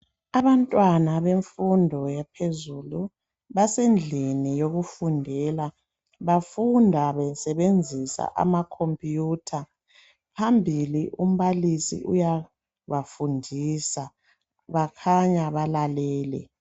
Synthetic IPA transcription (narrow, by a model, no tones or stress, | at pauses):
aβantʼwanaβeɱfundʱɔjɛpʰezulu | βasend͡ɮʱinijoɣufundʱɛla | βafundʱaβɛsɛβend͡zʱisa̰ʔa̰makʰompʼjuːtʰa | pʰambʱiliʔum̩βalisḭʔuja | βafundʱisa | βakʰaɲaβalalɛːlɛ̰